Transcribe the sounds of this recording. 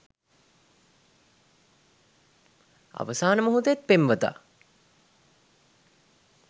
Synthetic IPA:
a̰ʋəsaːnəmuɦut̪əet̪̚pemʋət̪a̰

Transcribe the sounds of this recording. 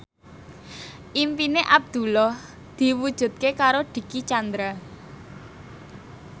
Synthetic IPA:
ʔimpineʔab̚d̪̥ṳlɔh | d̪̥i̤wud̥ʒ̥ṳt̪̚kekaɾoɖ̥i̤kit͡ʃand̪ɾa

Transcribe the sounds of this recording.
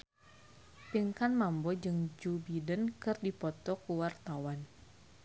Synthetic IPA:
piŋkanmambɔd͡ʒɨŋd͡ʒubidənkɨrdipɔt̪ɔkuwart̪awan

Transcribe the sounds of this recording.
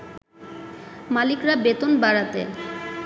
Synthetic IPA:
malikɾabet̪onbaɽat̪ḛ

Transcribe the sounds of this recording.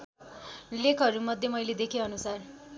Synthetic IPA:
lekʰʌɾumʌd̪ʱjemʌjled̪ekʰeʌnusar

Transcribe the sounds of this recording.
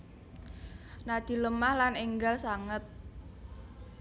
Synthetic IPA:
nad̪̥i̤ləmahlaneŋɡalsaŋət̪̚

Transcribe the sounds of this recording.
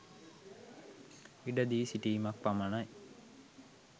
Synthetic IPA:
iɖəd̪iːsiʈiːmak̚pamanaj

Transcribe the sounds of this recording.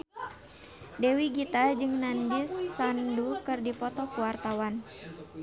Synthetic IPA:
dɛwiɡit̪ad͡ʒɨŋnandɪsːandukɨrdipɔt̪ɔkuwart̪awan

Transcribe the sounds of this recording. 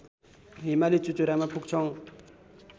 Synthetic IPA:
ɦimalit͡ɕut͡ɕuɾamapʰuk̚t͡ɕʰɔŋ

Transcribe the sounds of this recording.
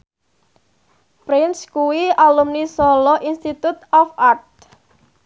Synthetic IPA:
pɾɪnskuwialumnisɔlɔʔinst̪it̪ut̪̚ɔfat̪̚

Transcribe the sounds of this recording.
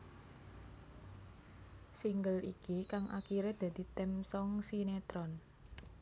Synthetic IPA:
siŋɡəlikikaŋʔa̰kiɾed̪̥a̤d̪̥i̤t̪ɛmsɔŋsinet̪ɾɔn

